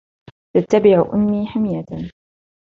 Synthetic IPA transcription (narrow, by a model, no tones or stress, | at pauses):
t̪at̪ːabɪʕʔʊ̰mːiːħamɪjat̪a